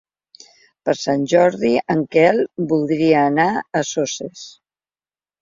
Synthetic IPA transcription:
pəɾsanʲʒɔɾðiʔəŋkɛlˠbulˠd̪ɾiəːnaəsoses

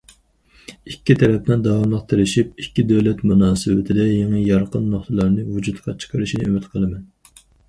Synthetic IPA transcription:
ikʲːit̪ʰɛɾɛp̚nɨnd̪ɑwɑmlˠəqt̪ʰeɾɪʃip̚ikʲːid̪ɛwlɛt̪munɑːsɨwɪ̰t̪ʰɪd̪ɛjeŋɨjɑɾqənːoχt̪ʰɨlˠɑɾnɨvud͡ʒut̪qʰɑt͡ʃʰə̥qʰɑɾɨʃinɨymɪt̪qʰəlˠɨmɛn

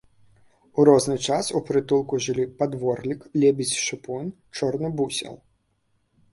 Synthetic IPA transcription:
uɾɔznɨt͡ʂasupɾɨt̪ulˠkuʐɨlʲipad̪ʋɔrlʲiklʲɛbʲit͡sʲʃɨpun | t͡ʂɔrnɔbusʲɛ̰lˠ

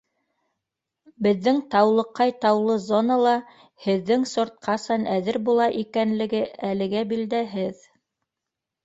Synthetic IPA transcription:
bɘ̆ðːɘŋt̪ɑwlˠɤ̆qːɑjt̪ɑwlˠɤzonɑlˠɑ | hɘ̆ðːɘŋsŏɾt̪̚qɑsɑnʔæðɘɾbulˠɑʔikænlɘ̆ɡɘælɘ̆ɡæbild̪æɦɘð

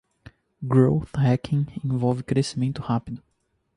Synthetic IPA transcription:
ɡɾowθhɛkʰĩŋẽvɔwvɪkɾesimẽnt̪ʊhapid̪ʊ

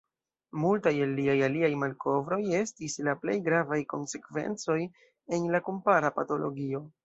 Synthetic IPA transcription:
multajelːiajaliajmalkʰo̞vɾo̞je̞stislaple̞̰jɡɾavajko̞̰nse̞kve̞̰nt͡so̞j | e̞nlakompaɾapato̞lo̞̰ɡio̞

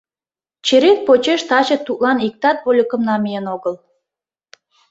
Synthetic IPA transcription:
t͡ɕeɾek̪̚pot͡ɕeʃt̪ɑt͡ɕĕt̪ːut̪lɑnik̚t̪ɑt̪̚βolʲəkə̆mnɑmijenoɣəl

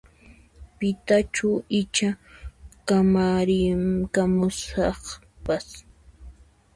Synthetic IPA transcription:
pɪt̪at͡ʃʊɪt͡ʃa | kamaɾɪkamʊsɑχ | pas

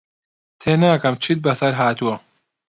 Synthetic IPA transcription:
t̪ʰeːnaːkɐmt͡ʃʰit̪̚bɐsɐɾɦaːt̪uwɐ

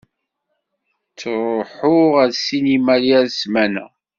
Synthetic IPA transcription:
t͡sːɾˤoħʊʁæðsinimæljæðsmænæ̰

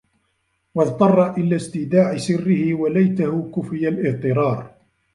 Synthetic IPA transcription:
wɑðt̪ˤɑrˤːɑʔɪlaːst̪ɪd̪aːʕɪsɪrːɪhɪwalajt̪ahʊkʊfɪjalʔɪʕt̪ˤɨɾˤɑːɾˤ

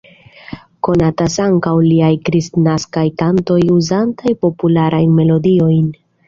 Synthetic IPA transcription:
ko̞natasaŋkawliajkɾistnaskajtanto̞juzantajpo̞pulaɾʔajnme̞lo̞dio̞jn

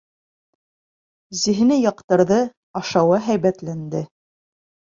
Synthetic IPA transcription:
zĭɦɘ̆nɘjɑqt̪ɤ̆ɾðɤ | ɑʃɑwɤɦæjβæt̪lænd̪ɘ

